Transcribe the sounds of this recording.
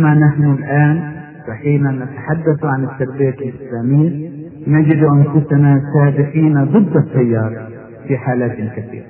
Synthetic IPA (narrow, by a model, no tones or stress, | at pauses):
ʔmanaħnʊlʔaːn | faħiːnanːat̪aħad̪ːaθuʕanɪt̪ːabbeːt̪ɪlʔɪslaːmɪjːa | nad͡ʒɪd̪uʔanfʊsanasaːbɪqiːnad̪ˤɨd̪ˤːɨsːajːɑːɾˤɑ | fiħaːlaːt̪lkaθḭːɾa